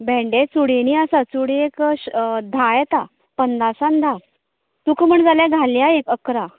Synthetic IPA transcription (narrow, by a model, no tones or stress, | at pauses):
bʱẽɳɖet͡suɽeniasat͡suɽiekd̪ʱajɛt̪a | pənd̪asãnd̪ʱa | t̪ukm̤əɳd͡zaljaɡʱaljaekəkɾa